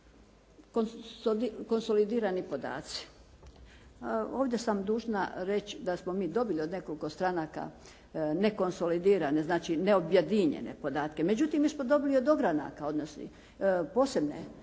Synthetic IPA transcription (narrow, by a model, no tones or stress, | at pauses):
kooko̞nso̞lid̪iːɾanipo̞d̪a̰ːt̪si̥ | o̞ːʋd̪ʲje̞samd̪uːʒna̰ɾe̞t͡ʃd̪asmomiːd̪o̞bilio̞d̪ne̞ko̞liko̞st̪ɾanaka̰ | ne̞ko̞nso̞lid̪iːɾane̞znaːt͡ʃineobjed̪iɲḛnḛpo̞d̪aːt̪ke̞me̞d͡ʑut̪imːiːsmod̪o̞biliod̪o̞ɡɾana̰ːkao̞d̪nosnḭ | po̞ːse̞bnḛ